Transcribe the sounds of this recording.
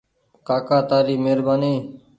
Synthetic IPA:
kaːkaːt̪aːɾiːmeːɾbaːniː

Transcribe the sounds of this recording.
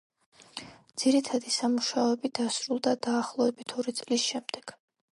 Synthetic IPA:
d̪z̥iɾit̪ʰad̪isamuʃaɔɛbid̪̥asɾulˠd̪ad̪aːχlˠɔɛbit̪ʰɔɾit̪sʼlisʃɛmd̪ɛɡ̥

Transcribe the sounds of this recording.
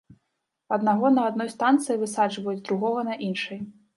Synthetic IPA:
ɐd̪naɣɔnɐːd̪nɔjst̪ant̪sɨjivɨsad͡ʐvɐjud͡zʲd̪ɾuɣɔɣɐnɐʔinʂɐj

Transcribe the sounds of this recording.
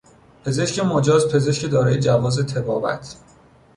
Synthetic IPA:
pʰe̞ze̞ʃcʰemod͡ʒɒːzpʰe̞ze̞ʃcʰed̪ɒːɾɒːjed͡ʒævɒːzet̪ʰe̞bɒːvæ̰t̪ʰ

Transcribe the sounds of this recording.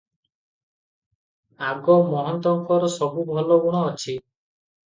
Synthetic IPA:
aɡɔmɔɦɔnt̪ɔŋkɔɾɔsɔbubʱɔlɔɡuɽ̃ɔːt͡ʃʰi

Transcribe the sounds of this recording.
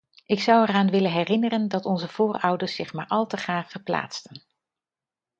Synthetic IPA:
ʔɪksʌwɛraːnʋɪləɦɛrɪnərəndɑtɔnzəv̥ʊːrʌwdəɹsɪχmaːɹʔɑlˠtəχraːχfəɹpla̰ːtstən

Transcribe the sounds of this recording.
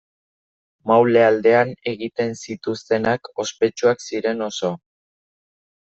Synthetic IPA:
mawle̞ald̪e̞ane̞ɣit̪e̞nsit̪ust̪e̞nako̞spe̞t͡ʃuaksiɾe̞no̞so̞

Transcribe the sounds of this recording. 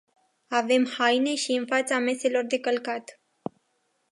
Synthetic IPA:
ave̞mhajne̞ʃiɨnfat̪same̞se̞lo̞rd̪e̞kəlkat̪

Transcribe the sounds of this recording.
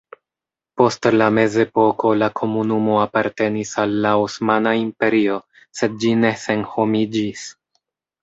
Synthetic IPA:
po̞stlame̞ze̞po̞ko̞lakʰo̞munumo̞apaɾte̞nisalːaosmanaimpe̞ɾio̞ | se̞d̚d͡ʒine̞se̞nho̞mid͡ʒis

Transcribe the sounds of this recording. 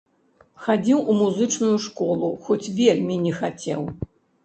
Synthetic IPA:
xad͡zʲiwʔumuzɨt͡ʂnujuʂkɔlˠuxɔt͡sʲvʲelʲmʲinʲɛxat͡sʲɛ̰w

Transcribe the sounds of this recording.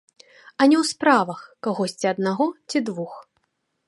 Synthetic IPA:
ɐnʲɛwspɾavɐxkaɣɔsʲt͡sʲiɐd̪̚naɣɔt͡sʲid̪vux

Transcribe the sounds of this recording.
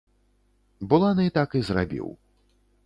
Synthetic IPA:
bulˠanɨt̪akizrabʲḭw

